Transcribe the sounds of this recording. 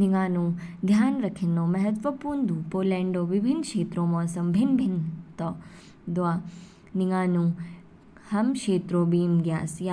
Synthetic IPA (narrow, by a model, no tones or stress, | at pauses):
nɪŋaːnũːd̪ʱjaːnɾɐkʰinõːmɐɦət̪ʋəpuːɾnd̪ũːpoːlɛ̃ːɳɖoːʋɪbʱɪnkʃeːt̪ɾoːmɔːsɐmbʱɪnbʱɪnt̪ɔː | d̪oaː | nɪŋaːnũː | hɐmkeːt̪ɾoːbiːmɡjaːsja